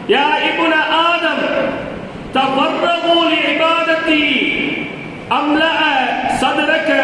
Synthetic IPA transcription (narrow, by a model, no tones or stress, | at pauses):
jaːɪbnɐʔaːd̪ɐm | t̪ɐbɐɾːɐmoːliɪbaːd̪ɐt̪ːi | ɐmlɐʔsɐd̪ɾɐk